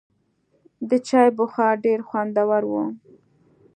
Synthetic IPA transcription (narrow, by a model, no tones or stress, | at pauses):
d̪ət͡ʃɑjbʊxɑɖeɾxwand̪awaɾwu